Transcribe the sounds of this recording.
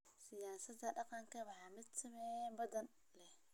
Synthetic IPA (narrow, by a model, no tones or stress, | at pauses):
sɪjaːsɐd̪ɐɖɑqɑŋkʰɐwɑħɑːmɪd̪sɐmɛnbɐðɐn | lɛh